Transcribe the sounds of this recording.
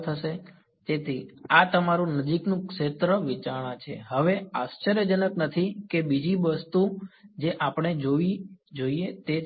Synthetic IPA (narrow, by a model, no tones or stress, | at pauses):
t̪ʰəʃe | t̪et̪ʰiat̪əmaɾũnəd͡ʒiknũkʂet̪ɾəʋit͡ʃaɽ̃ãt͡ʃʰḛɦəʋeast͡ʃəɾjəd͡ʒənəknət̪ʰikebid͡ʒiʋəst̪ud͡ʒeʔapɳ̃ed͡ʒoʋid͡ʒoiet̪e